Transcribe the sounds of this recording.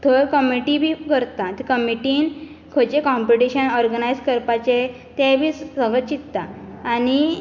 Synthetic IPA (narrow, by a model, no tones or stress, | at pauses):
t̪ʰəɾkəmiʈibʱikəɾt̪at̪ikəmiʈiːn | kʰət͡ɕekɔ̃mpiʈiɕənɔɾɡənajd͡zkəɾpat͡ɕe | t̪ebʱiːssəɡət͡ɕit̪t̪aːni